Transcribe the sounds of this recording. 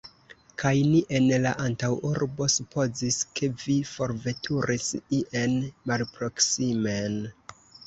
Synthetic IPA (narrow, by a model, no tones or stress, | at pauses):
kʰajniʔe̞nlaʔantawuɾbo̞supʰo̞ziskʰe̞vifo̞ɾve̞tʰuɾʔisiʔenmalpɾo̞ksimen